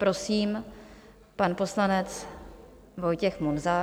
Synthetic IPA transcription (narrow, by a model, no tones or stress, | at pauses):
pɾo̞siːm | panpo̞slanɛt͡s | vo̞jcɛxmunzaː